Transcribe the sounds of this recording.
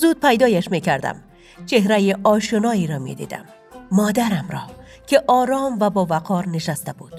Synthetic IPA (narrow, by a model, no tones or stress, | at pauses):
zud̪̥̚pʰæjd̪ɒːjaʃmekʰæɾd̪æ̰m | t͡ʃʰeɦɾæjiʔɒːʃonɒːiɾɒmḛd̪ḭːd̪æ̰mː | ɒːd̪æɾæmɾɒː | kʰʲeʔɒːɾɒːmvæbɒːvæqʰɒːɾneʃæst̪æbud̪̥